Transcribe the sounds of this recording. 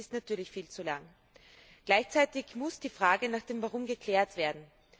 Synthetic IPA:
ɪstnatyːɐlɪçfiːlt͡sulaŋ | ɡ̥laɪçt͡saɪtɪçmʊsd̥iːfʁ̥aːɡənaːχd̥eːmvaʁʊmɡəkʰl̥ɛːɐtv̥eːɐdn̩

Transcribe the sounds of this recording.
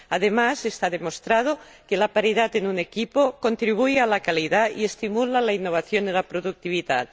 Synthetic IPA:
aðemase̞st̪aðemost̪ɾað̞o | kelapaɾið̞at̪enune̞kipoko̞nt̪ɾiβ̞ujalakaliðaie̞st̪imulalainːoβ̞aθjonelapɾoðuk̚t̪iβiðat̪

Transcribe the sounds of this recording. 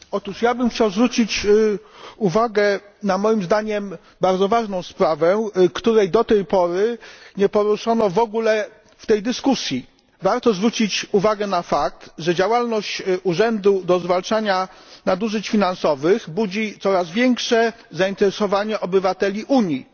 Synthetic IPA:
ɔt̪uʂjabɘmxt͡ɕawzvɾut͡ɕit͡ɕ | uvaɡɛ | namɔjimzd̪aɲɛm | baɾd̪zɔvaʐnɔ̃w̃spɾavɛkt̪uɾɛjd̪ɔt̪ɛjpɔɾɘɲɛpɔɾuʂɔnɔvɔɡulɛ | ft̪ɛjd̪ɘskusʲji | vaɾt̪ɔzvɾut͡ɕit͡ɕuvaɡɛnafak̚t̪ʐɛd͡ʑawalnɔɕt͡ɕuʐɛnd̪ud̪ɔzvalt͡ʂaɲanad̪uʐɘt͡ɕfʲinansɔvɘxbud͡ʑit̪sɔɾazvʲjɛŋkʂɛ | zaint̪ɛɾɛsɔvaɲɛʔɔbɘvat̪ɛlʲiʔuɲi

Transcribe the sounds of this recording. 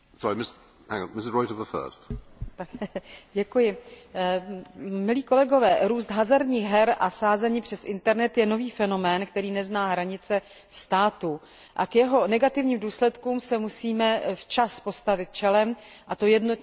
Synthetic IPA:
sɔɹimɪs | hã̰ŋəmɪs̬ɪzɹɔɪtəvðəfɜ̰ːˑstt̪akɟɛkujɪ | mɪliːko̞lɛɡo̞vɛːɾuːst̪ɦazaɾɲiːxɦɛɾʔasaːzɛɲiːpr̥ɛsʔɪnt̪ɛɾnɛt̪jɛno̞viːfɛno̞mɛːnkt̪ɛɾiːnɛznaːɦɾaɲɪt͡sɛ | st̪aːt̪u | ʔakjɛɦo̞nɛɡat̪ɪvɲiːmduːslɛt̪kuːmsɛmusiːmɛft͡ʃaspo̞st̪avɪt̪̚t͡ʃɛlɛm | ʔat̪ojɛdnot̪

